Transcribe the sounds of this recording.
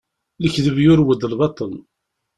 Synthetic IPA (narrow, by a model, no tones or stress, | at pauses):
ləçðəvjʊɾwəd̪əlβɑt̪ˤːən